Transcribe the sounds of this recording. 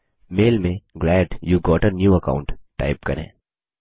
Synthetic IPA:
meːlmẽɡlɛːɖjuːɡɔːʈənjuːɐkã̰ːʊ̃ɳʈːa̰ɪp̚kɐɾḛ̃ː

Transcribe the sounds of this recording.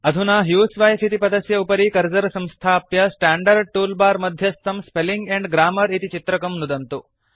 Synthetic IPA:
ɐd̪ʱunaːɦjuːsʋaːjsit̪ipɐd̪ɐsjɐupɐɾikɐɾd͡ʒɐɾɐsɐ̃mst̪ʰaːpjɐsʈaːɳɖɐɾɖ̚ʈuːlbaːɾmɐd̪ʱjɐst̪ɐmspeliŋɡeɳɖɡɾaːmɐɾit̪it͡ʃit̪ɾɐkɐmnud̪ɐnt̪u

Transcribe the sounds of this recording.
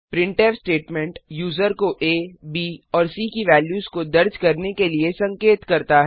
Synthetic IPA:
pɾɪ̃ɳʈeːʋsʈeːʈmɛ̃ɳʈjuːzəɾkoʔeːbiːɔːɾsiːkiʋɛːljuːzkod̪ɐɾd͡ʒkɐɾnekeliesɐ̃ŋkeːt̪kɐɾt̪aɦɛ

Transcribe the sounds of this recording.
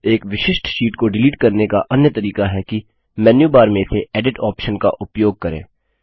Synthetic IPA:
eːkʋɪʃɪʃʈʃiːʈkoɖɪliːʈkɐɾnekaʔɐnjət̪ɐɾiːkaɦɛki | mɛːnjubaːɾmẽseɛːɖɪʈɔːpʃənka̰ʔʊpjoːɡ̚kɐɾḛ̃ː

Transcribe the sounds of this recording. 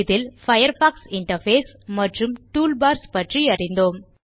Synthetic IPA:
ðɪlfɐjɐɾfaːksɪɳʈɐɾfeːs | mɐʈrɯmʈuːlbaːɾspɐʈriɐrɪnd̪oːm

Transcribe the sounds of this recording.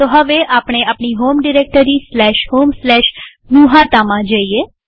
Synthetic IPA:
t̪oɦəʋeʔaːpɳ̃eapɳiɦoːmɖɪɾeːk̚ʈəɾislɛːʃɦoːmslɛːʃ | nuːɦat̪aːmãd͡ʒaːieː

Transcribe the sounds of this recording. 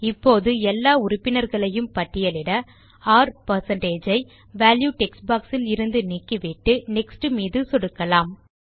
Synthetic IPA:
ɪpːoːðɯɛlːaːʊɾʊpːɪnɐɾɣɐɭɐjɯmpɐʈːɪjɐlɪɽɐ | aːɾpɐɾsɐɳʈeːd͡ʒɐɪ | ʋaːljuːʈɛksbaːksɪlɪɾɯnd̪ɯniːkːiʋɪʈːɯnɛksʈɯmiːðɯsɔɽɯkːɐlaːm

